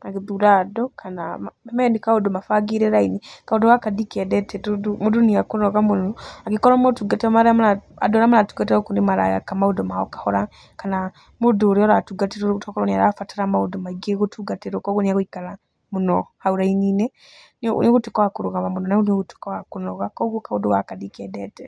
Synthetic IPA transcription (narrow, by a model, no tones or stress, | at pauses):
aɡiðuɾadɔkʰanamemɛnikaudomafaɡiɾeɾainikaudɔwakadikɛdɛtʰɛtudumuduniakunɔɣamunɔaɡikɔɾɔmotuɡatiɾɔmaɾaamlaa̰dɔɾamalatuɡatiɾɔkundimaɾa̰ja̰kamaudɔmao̰kḁhɔɾa | kana | muduɾiɔɾatuɡatiɾuɾutɔkɔoniaɾafataɾamaudomaiɡeɣutʰuɡatiɾokɔɣuniaɣwikala | munɔhauɾainiːnɛ | nniɣutukɔwakuɾuɣamamunɔnauniɣutu̥kɔakunɔɣakɔɣukaudɔwakadikɛdɛtɛ